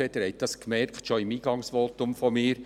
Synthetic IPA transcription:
ɛd̥̪əɾɛɪt̚dɑskmɛɾktʃoɪmiːɡɑŋsʋoːtʊmfɔmɪːɾ

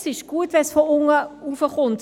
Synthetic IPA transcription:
sɪʃɡ̥uətʋɛnsfoʊŋəufəχʊnt

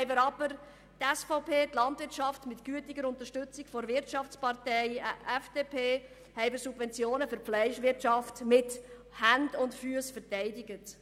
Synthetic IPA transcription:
ɛɪbəɾɑb̥əɾ | tɛsfɔʊpʰeːtlɑntvɪt͡ʃɑftmɪtkyətɪɡəɾʊnt̪əɾʃtʏt͡sɪkfɔɾvɪɾt͡ʃɑft͡spɑɾtɛɪʔɛfd̥epʰeː | hɛɪbəɾsub̥vɛnt͡sjoːnəfʏɾflɛɪʃʋɪɾtt͡ʃɑftmɪt | hændʊntfyəsfəɾtɛɪdɪɡət

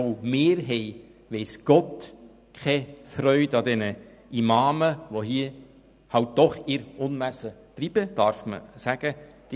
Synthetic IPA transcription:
omɪːɾɦɛɪ | ʋɛɪsɡ̥ɔt | kʰɛfrœʏdɑdɛnə | imɑːməʋoɦiə | hɑlt̚d̥̪ɔχɪɾʊnmæsətɾib̥əd̥ɑɾfmə̰sæɡ̥ə | d̥i

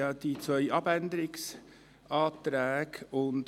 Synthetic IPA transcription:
ɑd̪̥it͡sʋœʏʔɑbænd̪əɾɪks | ɑːt̪ɾæːɡʊnd

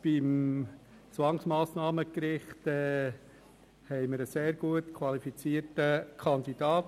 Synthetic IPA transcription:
b̥ɪm | t͡sʋɑŋsmɑːsnɑːməkɾɪχtɛː | hɛɪməɾəseːɾɡ̥uətkʰʋwɑlifit͡siːəɾtəkʰχɑnd̪id̥ɑːt

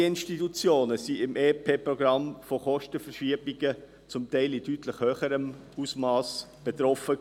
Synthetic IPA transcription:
ɪnʃtitut͡sjoːnəsiɪmʔeːpʰeːpɾɔɡ̥ɾɑmfoχɔʃtəfərʃiɐbiɡə | t͡sʊmtɛɪlɪtytləχhøχəɾəm | usmɑːsb̥et̪ɾɔfə

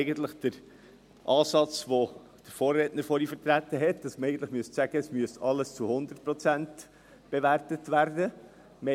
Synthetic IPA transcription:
ɡənt̪ləχd̥əɾ | ʔɑːsɑt͡sʋo | d̥əfoːɾːɛtnəɾfɔɾifəɾt̪ɾætːəɦɛtd̥ɑsməɾɛɪɡəntləχmyəstsæɡ̥əɛsmyəstɑlːəst͡suhʊnd̪ərt̚pɾɔt͡sænt | b̥eʋæɾtətʋæɾdə | mɛ

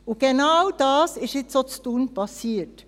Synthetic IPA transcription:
ʊɡ̥enaʊd̥ɑːsɪʃɪtsot͡stuːnpʰɑsiːt

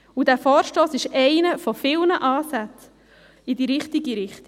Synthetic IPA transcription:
udæːɾfɔːɾʃtoːsɪʃɛɪnəfɔfɪlnəʔɑːsæt͡s | idiɾɪχt̪iɡiɾɪχt̪i

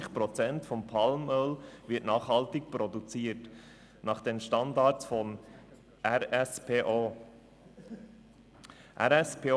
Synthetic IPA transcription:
ɪχpɾɔt͡sɛntfɔmpʰɑlmœlvɪətnɑːχhɑltɪk̚pɾɔdut͡siːət | nɑχd̥ɛnʃtɑndɑːt͡sfɔn | ʔæɾɛspeʔo | ʔæ̰ɾɛspe

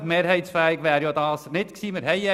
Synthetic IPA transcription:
meːɾhɛɪt̪sfæːɪɡʋæːɾjod̪ɑːsnɪt̪ksiːmɪɾɦɛjɛ

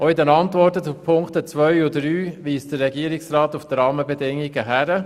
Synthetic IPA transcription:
oɪdɛnɑnt̪ʋɔɾtəupʰʊŋktət͡sʋœʏʊdɾyːʋiːsd̥əɾːɛɡiːəɾɪksrɑːt̪ufd̥əɾɑːməbɛdɪŋiɡəɦæɾə

